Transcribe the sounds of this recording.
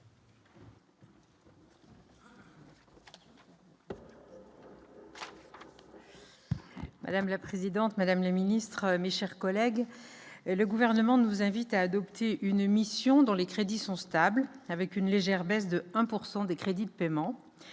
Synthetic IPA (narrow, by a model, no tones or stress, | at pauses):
ma̰d̪amlapχezid̪ɑ̃t̪mad̪amləminist̪χəmeʃɛʁkɔlɛɡ | ləɡuvɛʁnəmɑ̃nuzɛ̃vit̪aːd̪ɔpt̪ʰeʔynmisjɔ̃d̪ɔ̃lekχed̪isɔ̃st̪ablavɛkynleʒɛʁbɛs̬d̪əɛ̃puʁsɑ̃d̪ekχed̪id̪əpemɑ̃